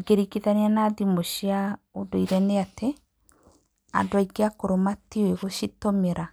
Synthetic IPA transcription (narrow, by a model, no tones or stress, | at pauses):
iɡeɾikiðaneanaːðimoʃiaodoiɾɛneate | a̰ndoaiɡeakoɾomatioeɣoʃitomeɾa